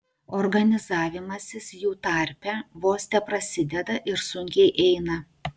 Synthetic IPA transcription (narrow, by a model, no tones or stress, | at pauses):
ɔɾɡɐnʲɪzɑːʋʲɪmɐsʲɪsjuːt̪ɐˑɾʲpʲɛʋoːsʲt̪ʲɛpɾɐsʲɪd̪ʲɛd̪ɐʔɪɾsʊŋʲkʲɛɪʔɛɪnɐ